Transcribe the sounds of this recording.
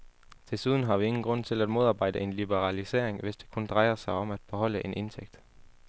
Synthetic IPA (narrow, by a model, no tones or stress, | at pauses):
t͡sʰe̝suðˠn̩ɦɑ̈ʋie̝ŋn̩ɡ̥ʁɔ̽n̰t͡sʰe̝læd̥mo̝ð̞ˠɑ̈ːb̥ɑ̈ɪ̰d̥əe̝nlib̥əʁɑlise̝̰ɐ̰eŋʋe̝sd̥e̝̥kʰund̥ʁɑ̈ɪɐsɑ̈ɪɒ̽mæd̥̚b̥ehɒ̽l̰əʔe̝nʔe̝nt͡sʰeɡ̥̚d̥